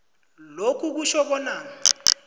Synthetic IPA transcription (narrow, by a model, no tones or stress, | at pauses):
lokʰuk̬uʃɔɓɔnaːŋa